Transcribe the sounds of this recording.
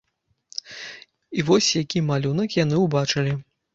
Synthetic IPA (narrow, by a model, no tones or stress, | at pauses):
ivɔsʲjakʲimalʲunɐkjan̪ɨwbat͡ʂɨlʲi